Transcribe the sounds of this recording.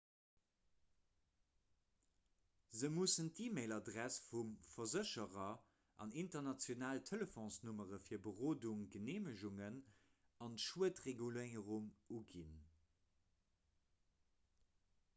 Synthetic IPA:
zəmusəntiːmeɪlɑdʁæsfumfɐzəɕəʁɐ | ʔɑ̰nintɐnɑt͡sjonaːltʰələfɔ̃nsnuməʁəfiːɐbəʁoːduŋɡəneːməʃuŋən | ɑntʃuətʁeɡuleɪəʁuŋuɡin

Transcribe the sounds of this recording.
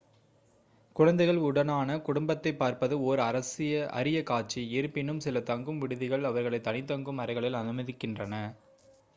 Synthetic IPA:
kʊɻɐnd̪ɐɪɣɐɭʊɽɐnaːnɐkʊɽʊmbɐt̪ːɐɪpːaːɾpɐðɯoːɾɯɐɾɐsɪjɐʔɐ̰ɾɪjɐkaːʈ̚t͡ʃiɪɾɯpːɪnɯmsɪlɐt̪ɐŋɡɯmʋɪɽɯðɪɣɐɭɐʋɐɾɣɐɭɐɪt̪ːɐnɪt̪ːɐŋɡɯmɐɾɐɪɣɐɭɪlɐnɯmɐðɪkːɪndrɐnɐ

